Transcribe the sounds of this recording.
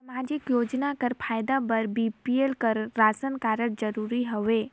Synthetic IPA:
ɐmaːd͡ʒɪkjoːd͡ʒnakəɾpʰaːjd̪abɐɾbiːpielkəɾːaːsənkaːɾəʈ̚d͡ʒəɾuːɾiɦoʋeː

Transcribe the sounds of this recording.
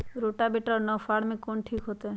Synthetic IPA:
ɾoʈabeʈɾɔnɔfʰaɽmẽkonʈʰikɦot̪e

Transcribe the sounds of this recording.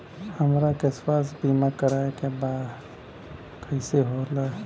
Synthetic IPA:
həmɾakespaːs̬biːmakəɾaːekebaːd̪ | kʰəɪseɦola

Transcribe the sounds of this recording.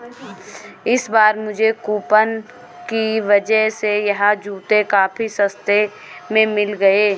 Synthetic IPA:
ɪsbaːɾmʊd͡ʒʱekuːpən | kiʋəd͡ʒəɦsejɐɦãd͡ʒuːt̪ekaːpʰisə̃st̪e | mẽmɪlɡɐeː

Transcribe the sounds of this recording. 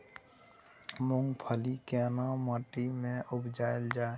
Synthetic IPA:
mʊ̃ŋɡpʰəlikɛːnãməʈimẽʔʊbd͡ʒaːeld͡ʒaːe

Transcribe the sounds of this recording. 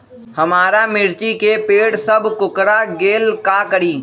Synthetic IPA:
hɐmaːɾamɪɾt͡ʃikepeːɽsɐbʱkʊkɾaɡeːlkakəɾiː

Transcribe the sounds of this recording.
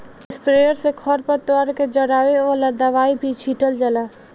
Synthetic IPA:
spɾeːəɾsekʰɔɾpəɾt̪waːɾked͡ʒəɽaːʋeʋaːlad̪əʋaːibʱit͡ʃʰiːʈəld͡ʒəlaː

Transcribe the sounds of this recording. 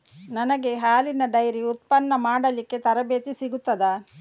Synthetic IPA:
nɐnɐɡe̞ɦaːlinɐɖɐjɾiut̪̚pɐnːɐmaːɽɐlikːe̞t̪ɐɾɐbeːt̪isiɡut̪ːɐd̪ɐ

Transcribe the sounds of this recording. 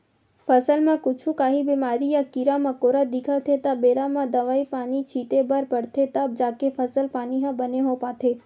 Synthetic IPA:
fəsəlmãkʊt͡ʃʰũkaːɦibiːmaːɾijakiɾamãkoːɾad̪ikʰat̪ʰet̪abeːɾãmãd̪ɐʋaːipaːnit͡ʃʰiːt̪ebəɾpəɽt̪ʰet̪əb̚d͡ʒaːkefʰəsəlpaːniɦãbəneɦopaːt̪ʰeː

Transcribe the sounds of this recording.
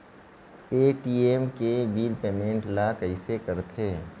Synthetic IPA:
eːʈiːemkebiːlpeːmẽːɳʈlakəɪsekɐɾt̪ʰeː

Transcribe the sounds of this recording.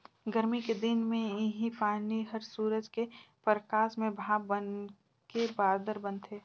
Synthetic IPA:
ɡəɾmiked̪ɪnmẽɪɦipaːniɦəɾsuːɾəd͡ʒkepɾəkaːsmẽbʱaːbən | kebaːɾd̪əɾbə̃nt̪ʰeː

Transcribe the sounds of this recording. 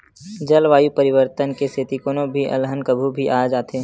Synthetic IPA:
d͡ʒɐlʋaːjupəɾɪʋəɾt̪ənkeseːt̪ikoːnõbʱiʔɐ̰lɦənkəbʱubʱiʔaːd͡ʒaːt̪ʰeː

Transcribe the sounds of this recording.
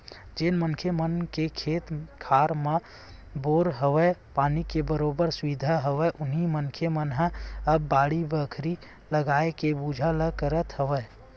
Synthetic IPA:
d͡ʒenmənkʰemənkekʰeːt̪kʰaɾme | boɾɦəʋəpaːnikebəɾobəɾsʋid̪ʱaɦəʋɛʔʊnɦimənkʰemənɦəəbːaːɽibəkʰɾi | ləɡaekebud͡ʒʱaləkəɾət̪ɦəʋɛː

